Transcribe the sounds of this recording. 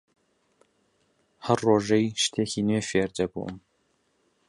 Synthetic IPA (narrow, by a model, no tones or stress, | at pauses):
hɐrːoːʒɐjʃt̪ʰeːxiːneːfeːrd͡ʒɐbṵʔə̰m